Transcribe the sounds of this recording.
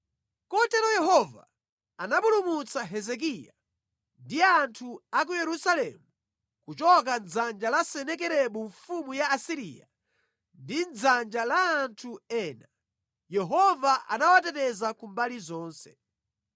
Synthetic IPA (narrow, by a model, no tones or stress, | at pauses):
kɔtɛɾɔjɛɦɔva̰ː | naɓulumut͡saɦɛzɛk̬ija | ndiantʰuak̬ujɛɾusalɛ̰mu | kut͡ʃɔk̬and͡zand͡ʒalasɛnɛkɛɾɛɓuɱfumujaːsiɾḭːja̰ | ndind͡zand͡ʒalaːntʰuɛːna | jɛɦɔvaʔa̰nawatɛtɛzakumbalizɔːnsɛ̥